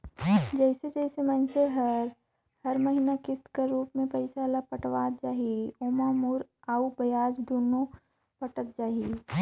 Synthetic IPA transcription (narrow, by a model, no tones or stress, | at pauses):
d͡ʒɛɪsed͡ʒɛɪsemənseɦɐɾ | hɐɾməɦɪnakɪst̪kəɾuːpmẽpɐɪsalapɐʈʋaːd͡ʒaːɦioːmaːmuːɾaubɐjaːd͡ʒd̪uːno | pəʈək̚d͡ʒaːɦi